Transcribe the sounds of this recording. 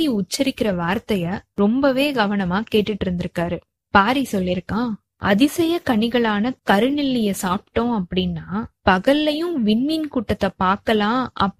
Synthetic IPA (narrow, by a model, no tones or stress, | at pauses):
iʊt͡ʃːɐɾɪkːɪɾɐʋaːɾt̪ɐjɐɾɔmbɐʋeːɡɐʋɐnɐmaːkeːʈːɯʈːɪɾɯnd̪ɪɾɯkːaːɾɯ | paːɾisɔlːɪɾɯkːãː | ʔɐ̰ðɪsɛjɐkɐɳɪɣɐɭaːnɐkɐɾɯnɪlːɪjɐsaːp̚ʈːõɐpːɐɽɪnːaːpɐɣɐlːɐjʊ̃ʋɪɳːɪnkuʈːɐt̪ːɐpaːɾkɐlãːɐ̰pː